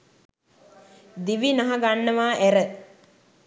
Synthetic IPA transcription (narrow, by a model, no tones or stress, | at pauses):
d̪iʋinaɦaɡanːəʋaːʔæɾə